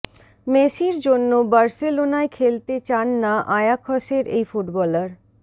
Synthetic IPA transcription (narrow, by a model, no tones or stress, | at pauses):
meʃiɾd͡ʑonːobaɾselonaekʰelt̪et͡ɕanːaʔajakʰɔʃeɾḛjfuʈbɔləɾ